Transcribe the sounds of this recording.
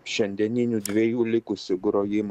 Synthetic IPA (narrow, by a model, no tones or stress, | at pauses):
ʃʲɛnʲd̪ʲɛnʲɪnʲuːd̪ʲʋʲeɛjuːlʲɪkʊsʲɪɡɾoːjɪm